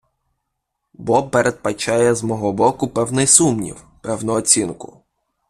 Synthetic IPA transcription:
bɔpeɾʔed̪̚pɐt͡ʃajɛzmɔɦɔbɔkʊpɛwnɪjsumnʲḭw | pɛwnɔɔt͡sʲinkʊ̰

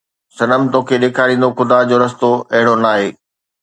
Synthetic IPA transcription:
sɐnəmt̪oːkʰeɗeːkʰaːɾĩːnd̪oxʊd̪ad͡ʑoːɾɐs̬t̪oɐɦɪɽ̃onaːɦeː

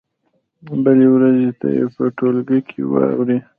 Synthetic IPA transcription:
bəlewɾazet̪a̰jḛpəʈolɡəjkʰḛwɑ̰wɾi

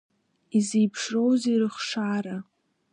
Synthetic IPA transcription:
izejpʰʂrowzirɨχʂaːɾa

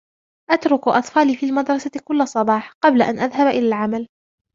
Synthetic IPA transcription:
ʔat̪ɾˤʊkʔɑ̰t̪ˤfɑːliːfiːlmad̪ɾˤɑsakʊlːasˤɑbɑːħqɑblaʔanʔaðhabʔɪlaːlʕamal

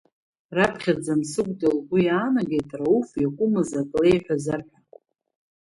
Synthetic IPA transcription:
rapʰχʲad͡zamsɨkʷʼtʼilɡʷujaːnaɡejtʼraufjakʷʼʊmazakʼlejħʷᶣazarħʷᶣa

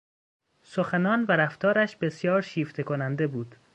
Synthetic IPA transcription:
soxænɒːnvæɾæft̪ʰɒːɾæʃb̥e̞sjɒːɾʃiːft̪ʰe̞kʰonænd̪e̞buːd̪̥

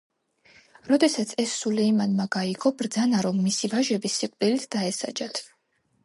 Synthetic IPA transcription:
ɾɔd̪ɛsat̪sʰɛsːulɛimanmaɡaiɡɔbɾd̪zanaɾɔmːisivaʒɛbisːiqʼd̪ʼilit̪ʰd̪̥aɛsa̰d͡ʒat̪ʰ

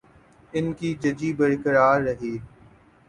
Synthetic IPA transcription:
ɪnkiːd͡ʒəd͡ʒiːbəɾkəɾaːɾːəɦiː

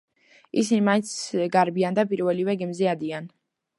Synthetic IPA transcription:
isinimaint̪sɡaɾbiand̪apʼiɾvɛlivɛɡimzɛad̪ian

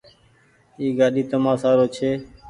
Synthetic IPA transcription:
iːɡaːɗiːt̪əmãːsaːɾoːt͡ʃʰeː

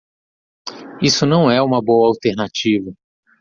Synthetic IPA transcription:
isʊnɐ̃w̃ɛũmɐbowɐawt̪eɾnat͡ʃivɐ

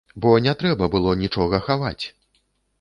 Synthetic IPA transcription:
bɔnʲɛt̪ɾɛbɐbɨlˠɔnʲit͡ʂɔɣɐxavat͡sʲ

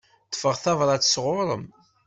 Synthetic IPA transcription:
t̪ə̥fəʁθɑvɾˤɑt͡sːə̥sʁʊɾˤəm

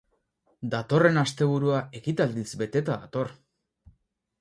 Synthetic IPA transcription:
d̪at̪o̞re̞nast̪e̞β̞uɾuae̞kit̪ald̪isbe̞t̪e̞t̪aða̰t̪o̞r

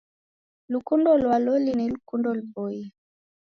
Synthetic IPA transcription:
lukundɔlwalɔlinilukundɔlubɔji

